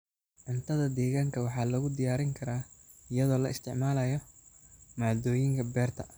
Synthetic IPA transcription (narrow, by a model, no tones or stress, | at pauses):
ʕʊnt̪ʰɐðɐd̪ɛːɣaːŋkʰɐwɑħɑːlɐɣʊd̪ɪjaːɾɪŋkʰɐɾaː | ɪjɐðɔːlɐɪst̪ʰɪʕmaːlɐjɔ | maːd̪ɔːjɪŋkʰɐbɛːrt̪ʰɐ